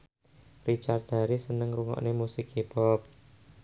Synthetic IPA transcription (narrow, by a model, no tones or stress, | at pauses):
rit͡ʃar̚d̪̥a̤ɾisənəŋɾuŋɔ̰ʔnemusikib̥ɔp̚